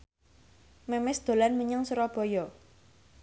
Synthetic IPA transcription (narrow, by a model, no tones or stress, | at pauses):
memɪsd̪̥o̤lanməɲaŋsuɾɔb̥ɔ̤jɔ